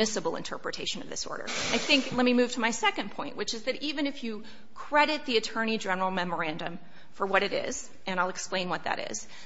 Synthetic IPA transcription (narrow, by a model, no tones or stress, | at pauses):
ɪsəbl̩ˠə̰̃ntʰɜ̰˞pɹɨtʰeɪʃɨ̃nʌ̰vðɪ̰sɔ̰ɹɾə̰˞aɪθɪ̃ŋklɛt̚mimʉv̥tʰəmaɪsɛkɨ̃npʰɔ̃ɪ̃nʔwɨt͡ʃɨzðɨɾivɨ̃ñɨfjɨ | kʰɹ̥ɛɾɨt̪̚ðiɨtʰɜ̃˞ñid͡ʒɛnə˞l̩ˠmɛmə˞æ̃ndɨ̃m | fə˞wʌɾɨɾɪ̰z̥ | ɨ̃ñaɪlˠəksplẽɪ̃nwʌt̪̚ðɨ̰ɾɪ̰z̥